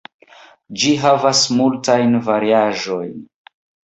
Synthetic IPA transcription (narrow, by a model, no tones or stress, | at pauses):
d͡ʒiɦavasmultajnvaɾiaʒojn